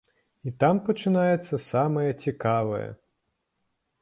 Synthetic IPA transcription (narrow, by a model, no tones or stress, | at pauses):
it̪ampɐt͡ʂɨnajɛt̪sːɐsamɐjɐt͡sʲikavɐ̰jɐ̰